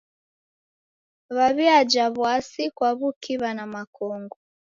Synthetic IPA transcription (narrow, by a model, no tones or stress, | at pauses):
βaβiad͡ʒaβwasikwaβukʰiβanamakɔŋɡɔ